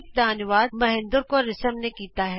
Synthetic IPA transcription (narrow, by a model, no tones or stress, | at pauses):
k̚d̪aːnɪʋaːd̪̚mɐɦɪ̃nd̪ʊɾkoɾɪsəmnekiːt̪aɦɛː